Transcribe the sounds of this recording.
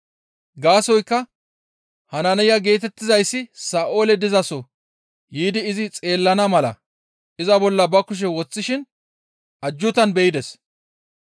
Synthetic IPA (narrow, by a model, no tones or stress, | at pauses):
ɡaːsɔjkːɐ | hɐnɐnɛjɐɡe̞ːt̪ɛt̪ːɪzɐjsːɪsaːʔo̞ːlɛd̪ɪzɐsɔ | jiːd̪ɪːzɪt͡sʼe̞ːlːɐnɐmɐlɐ̰ | ʔɪzɐbɔlːɐbɐkʊʃ̬ɛwɔt͡sːɪʃɪn | ʔɐd͡ʒːʊt̪ɐnbɛjɪd̪ɛs